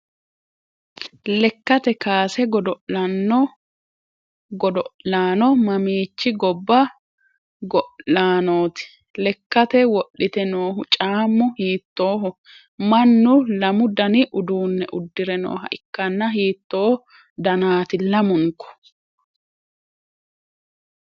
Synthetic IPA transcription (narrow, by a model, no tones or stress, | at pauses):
lɛkːɐt̪ɛkaːsɛɡɔd̪ɔɐnɔ | ɡɔd̪ɔʔlaːnɔmɐmiːt͡ʃːɪɡɔbːɐ | ɡɔlaːnoːt̪ɪ̥ | lɛkːɐt̪ɛwɔɗːɪt̪ɛnoːɦʊt͡ʃʼaːmːʊhiːt̪ːo̞ːɦɔ | mɐnːʊlɐmʊd̪ɐnɪʔʊd̪uːnːɛʔʊd̪ːɪɾɛno̰ːɦɐ̰ʔɪkːɐnːɐɦiːt̪ːoː | d̪ɐnaːt̪ɪlɐmʊŋkːɔ̥